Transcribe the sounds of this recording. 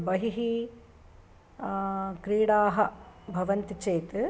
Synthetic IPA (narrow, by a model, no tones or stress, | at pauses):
bɐɦiɦi | kɾiːɽaːɦɐbʱɐʋɐnt̪it͡ʃeːt̪ɨ